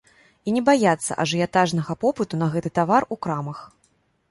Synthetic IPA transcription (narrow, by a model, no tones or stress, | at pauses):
inʲɛbajat̪sːɐ̰ʔɐ̰ʐɨjat̪aʐnɐɣɐpɔpɨt̪unɐɣɛt̪ɨt̪avarukɾamɐx